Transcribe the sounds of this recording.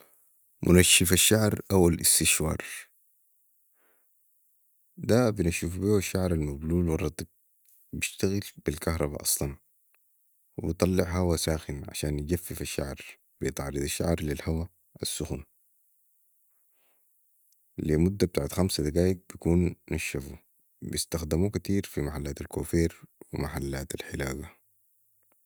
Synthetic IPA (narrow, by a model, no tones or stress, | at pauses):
mʔṵnaʃːifaʃːaʕɾʔawːalḭst̪iʃwɑ̰ːɾˤ | d̪abinaʃuːfbiuaʃːaʕɾˤalmabluːlwɑrˤːɑt̪ˤib̚ | biʃt̪aɣilb̥ilkaɦɾˤɑbɑ̰ʔɑsˤlɑn | wibit̪ˤɑlːɪʕɦawasaːxinʕa̰ʃaːnjid͡ʒafːifiʃːa̰ʕɾ | b̥ijt̪ˤʕɑːɾɨd̪aʃːa̰ʕɾˤlilhawa | asːuxun | limud̪ːab̚t̪aːʕat̪xamsad̪aɡaːjiɡ̚bjikuːnːaʃːafu | bist̪axd̪amukat̪iːɾfimaħalːaːt̪alkoːfeːɾwḭmaħalːaːt̪alħɪlaːɡa